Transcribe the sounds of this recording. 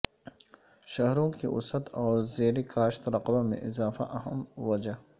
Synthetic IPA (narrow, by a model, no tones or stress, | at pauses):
ʃɐɦɾõkiʔʊ̰sət̪ɔːɾzeːɾekaːʃt̪ɾɐqbamḛ̃ʔɪzaːfaʔɐɦəmwɐd͡ʒa